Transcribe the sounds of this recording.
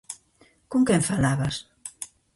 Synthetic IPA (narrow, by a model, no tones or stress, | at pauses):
kuŋkɛɱfalaβas